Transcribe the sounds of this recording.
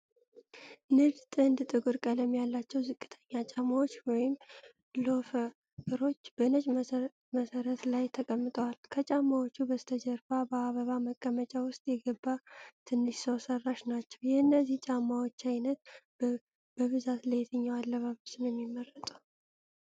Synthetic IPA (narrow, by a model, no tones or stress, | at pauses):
nɨɡt̪ʼɨnd̪t̪ʼɨɡuɾkʼələmjalːat͡ʃːɛwzɨkʼːɨ̥t̪ʰəɲːat͡ʃʼamawo̞t͡ʃːwɔjɪm | lo̞fə | kɨɾo̞t͡ʃːbənət͡ʃʼ | məsəɾət̪lajt̪ʰəkʼəmːɨt̪ʼəwalkʰət͡ʃʼamːawot͡ʃːubəst̪ʰəd͡ʒəɾfabəaβəβaməkʼːəmət͡ʃʼawʊst̪ʼjɛɡəbːat̪ʰɨnːɨʃsəwsərːaʃnat͡ʃːɛwjɛhɨnːəziht͡ʃʼamːawot͡ʃːajnət̪̚ | b̥əβɨzat̪ləjt̪ʰɨɲːawalːəβaβəsɨnjɛmːimːərːət̪ʼu